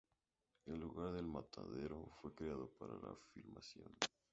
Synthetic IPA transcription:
elːuɣaɾðe̞lmat̪ʰaðe̞ɾo̞fwe̞kɾeaðo̞paɾalafilmasjo̞̰n

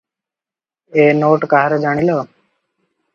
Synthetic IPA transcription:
eːnoːʈkaːɾəd͡ʒaːɽ̃iːloː

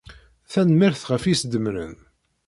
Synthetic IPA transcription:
θænmɪɾθʁəfisd̪əmɾə̰n

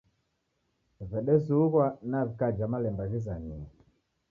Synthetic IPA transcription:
vɛɗɛsuuɣwanavikad͡ʒamalɛmbaɣizaɲiɛ

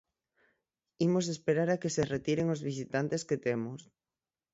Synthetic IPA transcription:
imosespeɾaɾakeseret̪iɾeŋozβisit̪ant̪esket̪emos

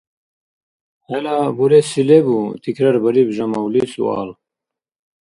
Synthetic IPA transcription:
helabuɾesilebut̪ʰikʰɾaɾbɐɾibʒɐmawlisṵa̰l

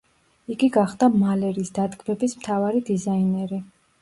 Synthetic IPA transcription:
iɡiɡaχd̪amalɛɾiːsd̪ad̪ɡmɛbismt̪ʰavaɾid̪izainɛɾi

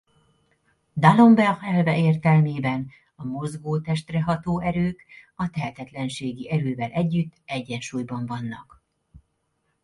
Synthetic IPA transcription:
d̪alo̞mbɛʁɛlvɛʔeːrt̪ɛlmeːbɛn | ɒmozɡoːt̪ɛʃt̪rɛɦɒt̪oːʔɛɾøːkɒt̪ɛɦɛt̪ɛt̪lɛnʃeːɡiʔɛɾøːvɛlʔɛɟːyt̪ːɛɟːɛnʃuːjbɒɱvɒnːɒk

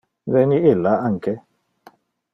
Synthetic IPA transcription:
zɛniɪlaaŋ̩kɛ

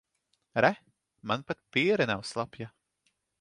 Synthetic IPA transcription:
ɾæ | manpat̪̚piɛɾɛnawslˠapja

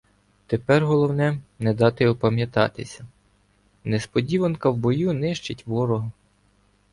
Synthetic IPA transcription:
t̪epɛrɦɔlˠɔwnɛnɛd̪ɑt̪ɪɔpɐmʲjɐt̪ɑ̰t̪ɪsʲɐ | nespɔdʲiʋɐnkɐwbɔjunɪʃt͡ʃɪtʲʋɔɾɔɦɐ

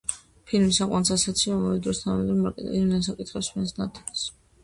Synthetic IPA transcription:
pʰilmisaqʼwansasat̪sʰiaamavɛd̪ɾɔst̪ʰaɛd̪ɾɔḭd̪ɛns̬akʼit̪ʰχɛpsmɛnsnat̪ʰɛs

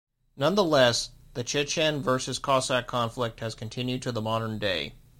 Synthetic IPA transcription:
nʌ̃nðəlɛsðɨt͡ʃʰɪt͡ʃʰɛ̃nvɜ˞sɨz̥kʰɔsækʰɑ̃ɱflɪk̚t̚hɨz̥kʰɨ̃n̩tʰɪ̃njʉd̚tʰɨðəmɑɾə̃˞ndeɪ

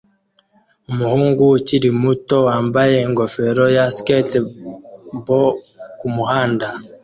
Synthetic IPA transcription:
umuhuːŋɡuciɾimuto̞waːmbaje̞ŋɡo̞fe̞ɾo̞jasket | bo | kumuhaːnda

